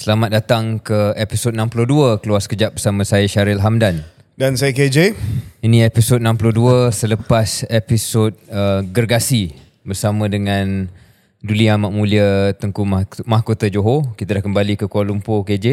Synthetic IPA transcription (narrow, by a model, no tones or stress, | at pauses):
səlamat̪̚dat̪aŋkəepisot̪̚nãmpuloduəkəluaskəd͡ʒaʔ̚bərsamə̃sajəʃaɾɪlɦamdan | dansajəked͡ʒeinĩepisot̪̚nãmpuloduəsələpasepisot̪̚əɡərɡasi | bərsamə̃dəŋãn | duliamaʔmũliət̪əŋkummãɦkot̪əd͡ʒoɦokit̪adahkəmbalikəkualumpoked͡ʒe